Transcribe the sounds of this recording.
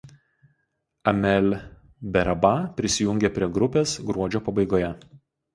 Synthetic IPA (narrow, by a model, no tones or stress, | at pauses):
ɐmʲɛlʲ | bʲɛɾɐbɑpʲɾʲɪsʲɪjʊ̃ŋʲɡʲeˑpʲɾʲiɛɡɾʊpʲeːsɡɾuɔd͡ʒʲoːpɐbɐɪɡoːjɛ